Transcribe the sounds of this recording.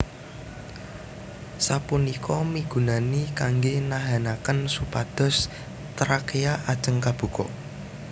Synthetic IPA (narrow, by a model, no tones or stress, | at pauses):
sapunikʰɔmiɡ̥ṳnanikaŋɡenaɦanakənsupad̪̥ɔ̤s | t̪əɾakejaʔad̥ʒ̥ə̤ŋkab̥ṳkɔ̰